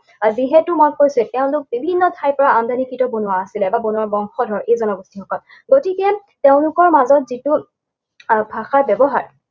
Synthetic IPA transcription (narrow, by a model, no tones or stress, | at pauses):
ziɦɛtʊmɔjkojsɛtɛʊ̃ntʊk̚bibʱinːɔtʰajpɔɹaand̪ʱanikɹitɔbonuwaːsilɛbabonʊwabɔŋxɔdʱɔɹejzɔnɔɡɔstixɔkɔl | ɡotikɛ | teʊ̃lʊkɔɹmazɔtzitu | bʱaxabɛbɔɦaɹ